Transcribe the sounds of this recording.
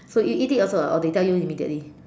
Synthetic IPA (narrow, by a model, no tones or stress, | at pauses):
soitiɔsoɔ̰detɛljuimidə̰ʔli